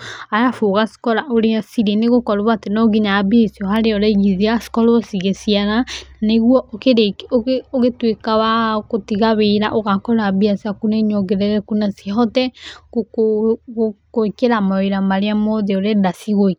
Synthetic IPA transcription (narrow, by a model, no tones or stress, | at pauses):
ajafoɣasi̥kɔɾaʔoɾeasiɾeneɣokɔɾuβatenɔɡiɲaːbiesiɔhaɾeɔɾɛiɣiðiasi̥kɔɾɔsiɣesiaɾaaneɣwɔʔokeɾekooɣetwekawakotiɣaβeːɾa̰ʔoɣakɔɾabiasakunaɲɔɡɛɾɛɾɛkunasiaɦɔtɛkoko | kokeɾamaeɾamaɾeamɔðeoɾɛdasiɣo